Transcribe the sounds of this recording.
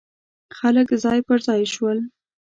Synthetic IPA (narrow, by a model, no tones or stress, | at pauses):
xaləkzɑjpəɾzɑjʃwəl